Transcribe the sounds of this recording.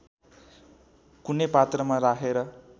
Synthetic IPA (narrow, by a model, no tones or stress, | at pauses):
kunepat̪rʌmaɾakʰeɾʌ